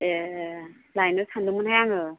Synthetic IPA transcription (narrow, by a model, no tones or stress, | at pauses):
e | lajnɯsʰandɯmɯnhajaŋɯ